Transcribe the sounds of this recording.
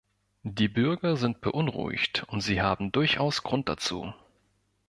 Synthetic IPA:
d̥iːbʏɐɡɐzɪnt̚b̥əʔʊnʁṵɪ̰çtʊntz̥iːɦaːbm̩dʊɐçʔaʊsɡ̥ʁʊnt̚d̥a̰t͡sṵː

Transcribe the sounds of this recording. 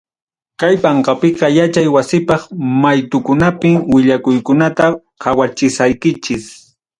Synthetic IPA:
kajpɑɴqɑpɪqɑjat͡ʃajwasɪpɑχmajt̪ʊkʊnapɪŋwɪʎakʊjkʊnat̪a | kʰawat͡ʃɪsajkɪt͡ʃɪs

